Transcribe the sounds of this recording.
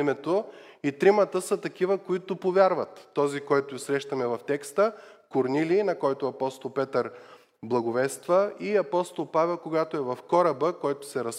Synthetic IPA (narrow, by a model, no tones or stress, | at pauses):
imɛt̪oit̪ɾimɐt̪əsət̪ɐkivəkoit̪opovʲjaɾvɐt̪ːɔzikɔjt̪ʊisɾɛʃt̪ɐmɛvɐft̪ɛkst̪əkoɾniliːnɐkɔjt̪oɐpɔst̪olˠpɛt̪əɾ | blˠɐɡʊvɛst̪vəiɐpɔst̪olˠpavɛlˠkoɡat̪oɛvɐfkɔɾɐbəkɔjt̪ʊ̥sɛɾɐs